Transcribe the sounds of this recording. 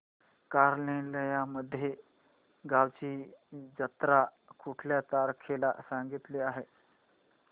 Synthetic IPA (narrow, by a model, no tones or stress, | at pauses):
kaɾleləjaməd̪ʱːje | ɡawt͡ɕiːd͡ʑət̪ɾa | kuʈʰljat̪aɾkʰela̰saŋɡit̪liaɦe